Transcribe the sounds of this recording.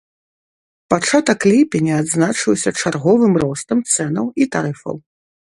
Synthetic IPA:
pat͡ʂat̪ɐkːlʲipʲinʲɛad̪znat͡ʂɨwsʲɐt͡ʂarɣɔvɨmrɔst̪ɐmt̪sɛnɐwit̪aɾɨfɐ̰w

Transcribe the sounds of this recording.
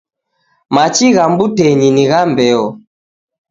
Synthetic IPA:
mat͡ʃiɣambutɛɲiniɣambɛɔ

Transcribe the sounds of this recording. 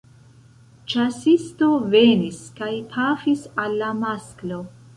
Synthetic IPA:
t͡ʃasistove̞niskajpʰafisalːamasklo̞

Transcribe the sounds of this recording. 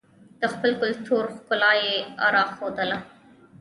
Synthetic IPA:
d̪̥əxpəlkʊlt̪ʰoɾxkʊlɑjea̰ɾɑxod̪əla

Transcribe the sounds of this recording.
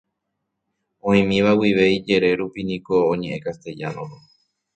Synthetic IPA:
õĩmĩʋawiʋe̞id͡ʒe̞ɾe̞ɾupinĩkõːɲẽ̞ʔẽkast̪e̞d͡ʒa̰nõɾo

